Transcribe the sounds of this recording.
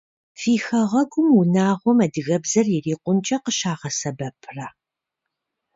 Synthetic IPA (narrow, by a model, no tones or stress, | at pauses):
fiːxɐʁɐɡʷʊmunaːʁʷɔmɐdɨɣɐbzɐrjɪriːqʷʊnt͡ʃʼɐqəʃaːʁɐsɐbɐpʰrɐ